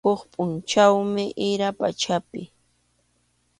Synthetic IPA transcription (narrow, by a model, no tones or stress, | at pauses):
oχpʼʊnt͡ʃawmɪʔɪɾapa̰t͡ʃapɪ